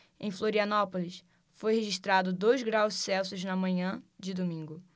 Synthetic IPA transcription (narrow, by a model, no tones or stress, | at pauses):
ḛ̃j̃floɾiɐnɔpolis | fojheʒiʃt̪ɾad̪ʊd̪ojzɡɾawʃsɛwsʊznɐmɐ̃ɲɐ̃d͡ʒɪd̪omĩŋɡʊ